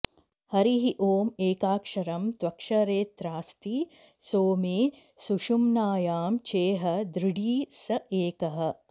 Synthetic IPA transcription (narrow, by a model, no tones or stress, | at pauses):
hɐɾiɦiʔoːmeːkaːkʂɐɾɐmt̪ʋɐkʂɐɾeːt̪ɾaːst̪i | soːmeː | suʃumnaːjaːmt͡ʃeːɦɐd̪ɾiɽiːsɐʔeːkɐɦɐ̆